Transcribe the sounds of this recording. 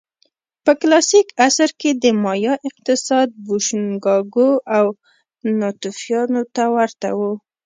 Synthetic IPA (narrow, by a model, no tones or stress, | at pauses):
pəklɑsikasaɾked̪əmɑjɑʔɪq̚t̪ɪsɑd̪̚buʃunɡɑɡoʔaw | nɑt̪ufjɑnot̪awaɾt̪a̰wu